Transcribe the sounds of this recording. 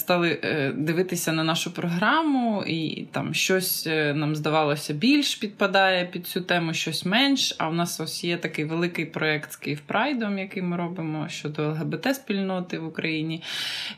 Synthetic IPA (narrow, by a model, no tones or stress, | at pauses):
st̪ɑlˠɪd̪ɪʋɪt̪ɪsʲɐnɐnɑʃʊpɾɔɦɾɑmʊḭt̪ɑ̰mʃt͡ʃɔsʲnɑmzd̪ɐʋɑlˠɔsʲɐbʲilʲʃpʲid̪̚pɐd̪ɑjɛpʲid̪̥̚t͡sʲut̪ɛmʊʃt͡ʃɔsʲmɛnʃɐ̰ʊnɑsɔsʲjɛt̪ɐkɪjʋelˠɪkɪjpɾɔɛkt̪skɪjfpɾʔɑjd̪ɔmjɐkɪjmɪɾɔbɪmɔʃt͡ʃɔd̪ɔɛlˠɦebɛt̪ɛspʲilʲnɔt̪ɪʋʊkɾɐjinʲi